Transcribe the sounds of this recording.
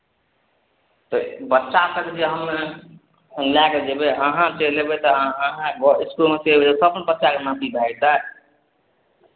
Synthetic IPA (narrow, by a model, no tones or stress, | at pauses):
t̪ɔbətːʃasəked͡ʒeɦəmːe | laked͡ʒebeəɦãt͡ʃelebet̪ɔɦãɡɔiskulmet͡ʃelbet̪ɔsəbnbətːʃakemat̪ʰiɡait̪ə